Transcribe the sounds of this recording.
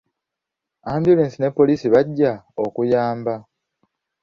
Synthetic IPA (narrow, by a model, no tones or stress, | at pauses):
aːmbjuleːnsine̞pːo̞liːsiβaɟːaokujaːmba